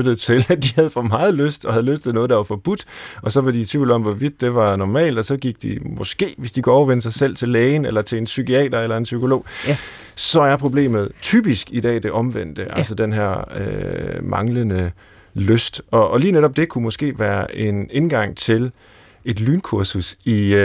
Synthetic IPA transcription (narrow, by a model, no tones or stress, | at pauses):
ød̥ɾð̩ˠt͡sʰe̝læd̥ihæð̞ˠfɒmɑ̈ːð̩ˠløsd̥ɒ̽hæð̞ˠløsd̥enɔ̽ːð̞̩ˠd̥ɑ̈ʋɑ̈fɒ̽b̥ud̥ɒ̽sɒ̽ʋɑ̈dit͡sʰʋḭʊl̩ɒ̽mʋɒʋid̥ːe̝ʋɑ̈nɒmɛ̰ːld̥ɒ̽sɒ̽ɡ̥iɡ̥̚d̥ḭmɔ̽sɡ̥e̝̰ːʋe̝sd̥ikʰuɒʊɐʋenəs̬ɑ̈ɪsel̰t͡sʰe̝lːeːɪnelɐt͡sʰe̝e̝nsykʰiɛ̰ːd̥ɐelɐe̝nsykʰo̝lo̝̰ː | sɒ̽æjäpʰʁo̝b̥le̝̰ːmð̞̩ˠt͡sʰy̰ːb̥isɡ̥id̥ɛ̰ːd̥e̝ʔɒ̽mʋen̰d̥əʔælsɒd̥enɦæ̰ɐ̰ø̰mɑ̈ŋlənə | løsd̥ɒ̽ʔːliːneɾɒ̽b̥̚d̥e̝kʰumɒ̽sɡ̥e̝̰ːʋæːɐʔe̝ne̝nɡ̥ɑ̈ŋ̰t͡sʰe̝l | e̝d̥lyːnkʰuɐsusi